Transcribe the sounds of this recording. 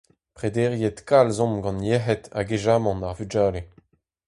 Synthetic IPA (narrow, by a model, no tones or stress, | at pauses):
pχed̪eːʁjet̪kalzɔ̃mɡɑ̃njeɦɛt̪a̰ɡeʒaːmɑ̃naʁvyd͡ʒaːle